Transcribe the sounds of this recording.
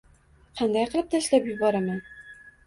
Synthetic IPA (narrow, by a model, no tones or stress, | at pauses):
qʰɑnd̪ajqʰɨlˠɪp̚t̪ʰaɪʃlapjʊbɒɾamɪ